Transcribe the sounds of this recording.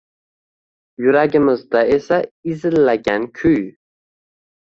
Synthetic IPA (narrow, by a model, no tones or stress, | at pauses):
jyɾæɡʲɪmɪzd̪ɑesæizɪlːæɡʲænkʲʰyj